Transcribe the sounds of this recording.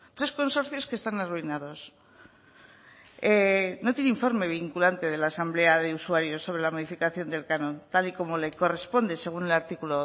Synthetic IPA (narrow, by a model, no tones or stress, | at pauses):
t̪ɾe̞sko̞nso̞ɾθjo̞ske̞st̪anaruinað̞o̞s | enot̪jeneiɱfo̞ɾme̞β̞iŋkulant̪e̞ð̞e̞laːsambleaðeusuaɾjo̞sːo̞β̞ɾe̞lamo̞ð̞ifikaθjo̞nd̪e̞lkanõ̞nt̪aliko̞mo̞le̞ko̞re̞spo̞nd̪e̞seɣ̞une̞laɾt̪ikulo